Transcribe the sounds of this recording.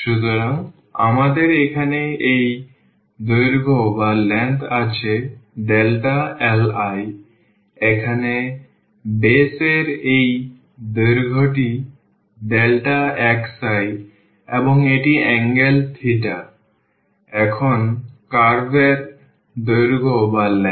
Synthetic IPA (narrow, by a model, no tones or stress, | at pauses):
ʃut̪oɾaŋ | a̰mad̪eɾekʰaneej | d̪ojɾɡʱobalɛɳʈat͡ɕʰeɖelʈaelaj | ekʰane | beseɾej | d̪oɾɡʱoʈi | ɖelʈaɛksaj | ḛboŋeʈiɛŋɡelt̪ʰiʈa | ɛkʰonkaɾbeɾ | d̪ojɾɡʱobalɛ